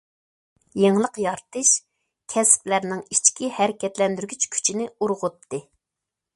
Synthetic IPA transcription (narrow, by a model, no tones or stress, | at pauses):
jeŋlˠəqjɑɾt̪ʰɨʃ | kʲʰɛsplæɾnɪŋit͡ʃkʲihæɾɪkʲɛt̪lɛnd̪yɾɡʲyt͡ʃkʲʰy̥t͡ʃʰinɪuɾʁʊt̪ʰːɨ